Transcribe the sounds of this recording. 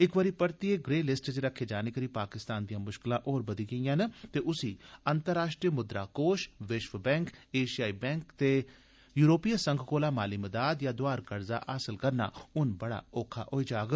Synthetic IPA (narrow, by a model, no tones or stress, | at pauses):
ɪkʋəɾiːpəɾt̪ieːɡɾeːlɪsʈd͡ʒɾəkʰːeːd͡ʒaːneːkəɾiːpaːkɪst̪aːnd̪ijãːmʊʃkɪlãːʔoːɾbəd̪iːɡəijãːnt̪eːʔʊsiːənt̪əɾːaːʃʈɾiːmʊd̪ɾa̰ːkoːʃʋɪʃʋbɛ̃ːŋkeːʃijaːiːbɛ̃ːŋkt̪eː | juːɾoːpiːjasəŋɡʱkoːlaːmaːliːməd̪aːd̪jaːd̪ʊaːɾkəɾza̰ːʔaːsɪlkəɾna̰ːʊnbəɽa̰ːoːkʰa̰ːʔoiːd͡ʒaːɡ